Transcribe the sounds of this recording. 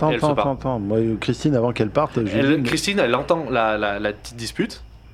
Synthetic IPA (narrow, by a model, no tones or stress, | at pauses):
t̪ɑ̃ɛlt̪ɑ̃p̪ɑ̃t̪ɑ̃mwakχist̪inavɑ̃kɛlpaʁt̪ʒeɛlkχist̪inɛlɑ̃t̪ɑ̃lalalaət̪i̥t̪̚d̪ispyt̪